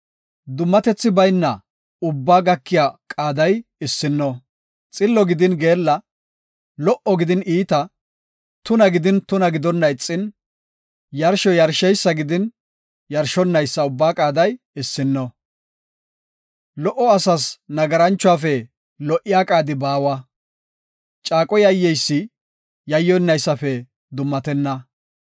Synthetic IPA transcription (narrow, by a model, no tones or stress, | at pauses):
d̪ʊmːɐt̪ɛt͡sːɪbɐjnːɐ | ʊbːaːɡɐkːɪjaːkʼaːd̪ɐjɪsːɪnːɔ | t͡sʼɪlːɔɡɪd̪ɪnɡe̞ːlːɐ | lɔʔɔɡɪd̪ɪniːt̪ɐ | t̪ʊnɐɡɪd̪ɪnt̪ʊnɐɡɪd̪ɔnːɐɪt͡sʼːɪn | jɐɾʃɔjɐɾʃɛjsːɐɡɪd̪ɪn | jɐɾʃɔnːɐjsːɐʊbːaːkʼaːd̪ɐj | ɪsːɪnːɔ | lɔʔɔɐsɐsnɐɡɐɾɐnt͡ʃːʊwaːfɛ | lɔʔːɪjaːkʼaːd̪ɪbaːwɐ | t͡ʃʼaːkʼɔjɐjːɛjsːɪ | jɐjːɔɪnːɐjsːɐfɛ | d̪ʊmːɐt̪ɛnːɐ